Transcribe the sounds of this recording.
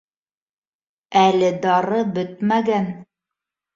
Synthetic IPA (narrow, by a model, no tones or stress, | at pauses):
ælɘd̪ɑɾɤbɵt̪mæɡæn